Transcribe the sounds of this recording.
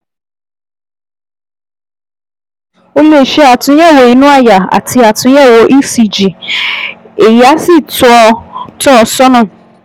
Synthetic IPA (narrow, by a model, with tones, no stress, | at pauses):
o˦le˦˨ʃe˦a˨tʊ̃˨˦ɛ˦˨wo˨i˨˦nʊ̃˦a˦˨ja˨a̰˨tʰɪ˧˦a˨tʰʊ̃˨˦ɛ˦˨wo˨ʔi˦si˨d͡ʒi˨ | e˨ja˨˦si˦˨tʊ˨˦ɔ˧tɔ˦˨sɔ˦nʊ̃˦˨